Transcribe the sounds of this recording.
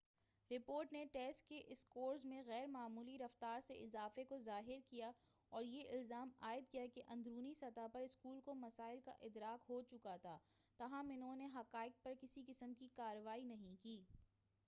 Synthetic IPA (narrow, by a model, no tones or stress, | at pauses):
ɾɪpoːɾʈneʈɛːsʈ̚keʔɪskoːɾzmẽɣɛːɾmaːmuːliɾɐft̪aːɾseɪzaːfekozaːɦɪɾkija | ɔːɾjeʔɪlzaːmaːɪd̪̚kijakeʔɐ̃nd̪ɾuːnisɐt̪apɐɾɪskuːlkomɐsaːɪlka̰ʔɪd̪ɾaːkɦot͡ʃʊkat̪ʰaːt̪ɐɦãmɪnɦõneɦɐqaːɪk̚pɐɾkɪsikɪsəmkikaːɾəʋaːinɐɦĩkiː